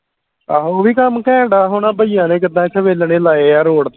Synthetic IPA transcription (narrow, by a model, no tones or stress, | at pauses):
aːoːʋiːkəmkɛ̃ːɖaːɦʊɳãːbəijãːnẽːk̬ɪd̪ãːt͡ʃʰəʋeːlneːlaːeːaːɾoːɽt̪ː